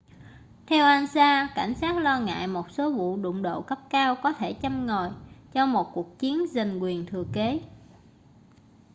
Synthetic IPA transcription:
t̪ʰɛ˧wʔaː˧nsaː˧ka˧˩jŋ̟saː˦˥t̚lɔ˧ŋa̰ː˧˨jmo˨˩t̚so˨˦vṵ˧˨ɗʊ̰˧˨ŋ͡mɗo̰˧˨kə˦˥p̚kaː˧wkɔ˨˦t̪ʰe˧˩t͡ɕa˧mŋɔ˨˩jt͡ɕɔ˧mo˨˩t̚ku˨˩ək̚t͡ɕi˨˦ənza˨˩ŋ̟kwi˨˩ənt̪ʰɨ˨˩əke˨˦

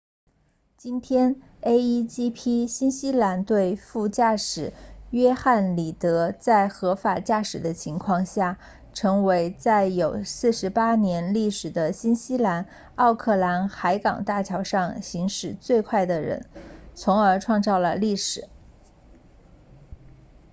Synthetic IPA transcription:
t͡ɕi˥nt̪ʰjɛ˥n | e˥ɪi˥t͡ɕi˥pʰi˥ɕi˥nɕi˥la˧˥nt̪we˥˧ɪfu˥˧t͡ɕja˥˩ʂɻ̩˨˩ɥɛ˥xa˥˩nli˨˩t̪ɤ˧˥t͡sa˥˩ɪxɤ˧˥fa˨˩t͡ɕja˥˩ʂɻ̩˨˩d̪ə˦t͡ɕʰi˧˥ŋkʰwɑ˥˧ŋɕja˥˩ | ʈ͡ʂʰɤ˧˥ŋwe˧˥ɪt͡sa˥˩ɪjo˨˩ʊsɹ̩˥˩ʂɻ̩˧˥pa˥njɛ˧˥nli˥˩ʂɻ̩˨˩d̪ə˦ɕi˥nɕi˥la˧˥n | ɑ˥˧ʊkʰɤ˥˩la˧˥nxa˧˥ɪkɑ̰˨˩ŋt̪a˥˩t͡ɕʰjɑ˧˥ʊʂɑ˥˩ŋɕi˧˥ŋʂɻ̩˨˩t͡swe˥˧ɪkʰwa˥˩ɪd̪ə˩ɻə̰˧˥nt͡sʰʊ˧˥ŋə˞˧˥ʈ͡ʂʰwɑ˥˧ŋt͡sɑ˥˩ʊlə˩li˥˩ʂɻ̩˨˩˦

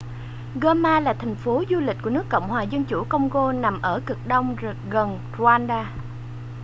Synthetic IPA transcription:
ɣəː˧maː˧laː˨˩t̪ʰɛ˨˩ŋ̟fo˨˦zu˧lï˨˩k̟̚ku˧˩ənɨ˦˥kːə̰˧˨wŋ͡mhwaː˨˩zə˧nt͡ɕu˧˩kə˧wŋ͡mɣo˧na˨˩mʔəː˧˩kɨ˨˩k̚ɗə˧wŋ͡mɣə˨˩n | ru˧aː˧nɗaː˧

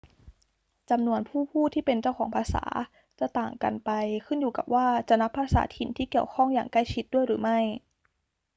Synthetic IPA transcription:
t͡ɕa˧mnu˧ənpʰuː˥˩pʰuː˥˩t̪ʰiː˥˩pe˧nt͡ɕa˥˩wkʰɔː˩˦ŋpʰaː˧sa̰ː˩˦ | t͡ɕa˨˩t̪aː˨˩ŋka̰˧npa˧jkʰɯ˥˩njuː˨˩ka̰˨˩p̚waː˥˩t͡ɕa˨˩na˦˥pʰːaː˧sa̰ː˩˦t̪ʰi˨˩nt̪ʰiː˥˩ki˨˩əwkʰɔ˥˩ŋjaː˨˩ŋkla˥˩jt͡ɕʰi˦˥t̪̚du˥˩əjɾɯː˩˦ma˥˩j

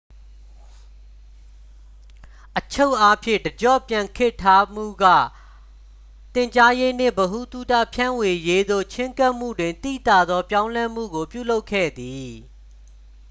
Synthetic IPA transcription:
ʔət͡ɕʰo˦ʊʔa˦pʰjɪ̰̃˦˨dəd͡ʑɔ̰˦˨pjã˨ŋkʰɪ˦ʔtʰːa˦m̥ṵ˦˨ɡa̰˦˨ | t̪ɪ̃˨ɲt͡ɕa˦je˦n̥ɪ̰̃˦˨bəɦu˦˨t̪u˦˨ta̰˦˨pʰjã˦˨we˨je˦d̪o̰˦˨t͡ɕʰɪ̃˦ŋka˦ʔm̥ṵ˦˨dwɪ̃˨nt̪ḭ˦˨t̪a˦˨d̪ðɔ˦pjã˦ʊ̃lɛ˦m̥ṵ˦˨ɡo˨pjṵ˦˨lo˦ʊkʰːɛ̰˦˨d̪i˨

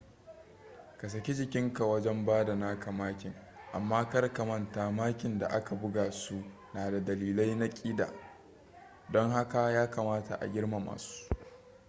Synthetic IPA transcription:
ka˨s̬ɐ˨kʲi˦d͡ʒɪ˨kʲɪ˦ŋka˨wɐ˦d͡ʒɛ˦mbaː˦da˨naː˦ka˨maː˦kʲɪ˨ŋ | ʔa̰˨mːaː˦kɐ˦rkɐ˨mɐ˦nta˨maː˦kʲɪ˨nda̰˨ʔa˦ka˨bʊ˦ɡaː˨su˦ | naː˨da˨dɐ˨liː˨la˦jna˦kʲʼiː˦da̰ː˨ | dɔ˦ŋha˦ka˨jaː˦ka˨maː˦ta̰˨ʔa̰˨ɡʲɪ˦ɽma˨ma̰ː˨su̥˦

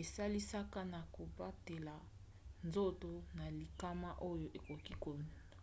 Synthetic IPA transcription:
e˨sa˦li˦sa˦ka˦na˨ko˨ba˦te˨la˨ | nzo˦to˨na˨li˨ka˦ma˦ʔo˦jo˦˨ʔe˨ko˨ki˦ko˨n˨

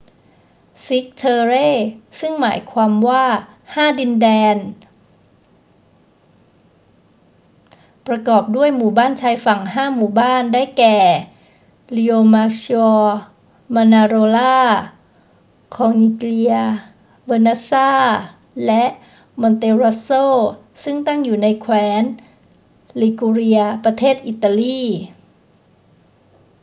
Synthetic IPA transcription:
si˦˥k̚t̪ʰɤː˧ɾeː˥˩sɯ˥˩ŋmaː˩˦jkʰwaː˧mwaː˥˩ | haː˥˩di˧ndɛː˧n | pɾa˧kɔː˨˩p̚du˥˩əjmuː˨˩baː˥˩nt͡ɕʰaː˧jfa˨˩ŋɦaː˥˩muː˨˩baː˥˩ndaː˥˩jkɛː˨˩ | li˧oː˧maː˦˥ksi˧ɔː˧ | maː˧naː˧ɾoː˧laː˥˩ | kʰɔː˨˧˦ŋni˧kli˧ɐ | wɤː˧na˦˥saː˥˩ | lɛ˦˥ʔ | mɔ˧nt̪eː˧ɾa˦˥soː˥˩ | sɯ˥˩ŋt̪a˥˩ŋjuː˨˩na˧jkʰwɛː˦˥n | li˧ku˧ɾi˧ɐpɾa˧t̪ʰeː˥˩t̪̚ʔi˨˩t̪ːa˧liː˥˩

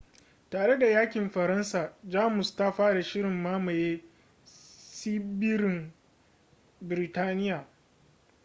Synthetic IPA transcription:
taː˨ɽe˦da˨jaː˦kʲɪ˨mɸɐ˨ɾɐ˦nsaː˨d͡ʒaː˦mʊ˨sta˦ɸaː˦ɽa˨ʃɪ˦ɾɪ˨mːaː˦mɐ˨jeː˦ | si˦bɪ˦ɾɪ˨ŋ | bɪ˨ɾɪ˨taː˦nɪ˦jaː˨

